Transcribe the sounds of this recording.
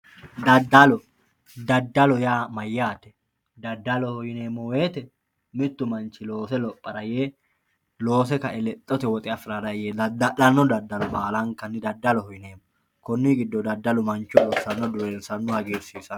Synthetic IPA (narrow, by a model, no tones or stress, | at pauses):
d̪ɐd̪ɐlɔ | d̪ɐd̪ːɐlɔjaːmɐjːaːt̪ɛ̥ | d̪ɐd̪ːɐlɔhɔjɪneːmːɔweːt̪ɛ | mɪt̪ːʊmɐnt͡ʃːɪloːsɛlɔpʼːɐɾɐjeː | lo̞ːs̬ɛkɐʔɛlɛt̪ʼːɔt̪ɛwɔt̪ʼɪɐfɪɾad̪ɐjeːɐdlɐnːɔd̪ɐd̪ːɐlɔbaːlɐŋkɐnːɪd̪ɐd̪ːɐlɔhɔjɪneːmːɔ | kɔnːiɡɪd̪ːɔd̪ɐd̪ːɐlɔmɐnt͡ʃːɔɔsɐnːɔd̪ʊɾeːnsɐnːɔhɐɡeːɾsiːsɐn